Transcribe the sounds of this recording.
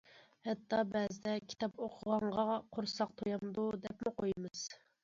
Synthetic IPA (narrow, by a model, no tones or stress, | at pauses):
hɛt̪ːɑbɛzɪd̪ɛkʲʰi̥t̪ʰɑpoqʰʊʁɑɴʁɑqʰoɾsɑq̚t̪ʰojɑmd̪ud̪ɛpmuqʰojmɨz̥